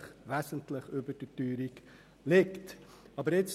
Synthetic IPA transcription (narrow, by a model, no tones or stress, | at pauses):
χvæːsəntləχuəbərdətyːɾik | lɛkt | ɑbəɾɛts